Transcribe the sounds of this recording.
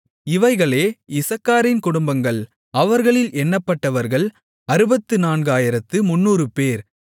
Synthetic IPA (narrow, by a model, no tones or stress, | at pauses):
ɪʋɐɪɣɐɭeːɪsɐkːaːɾɪnkʊɽʊmbɐŋɡɐɭ | ɐʋɐɾɣɐɭɪlʔɛnːɐpːɐʈːɐʋɐɾɣɐɭ | ɐɾɯbɐt̪ːɯnaːnɡaːjɪɾɐt̪ːɯmʊnːuːɾɯpeːɾ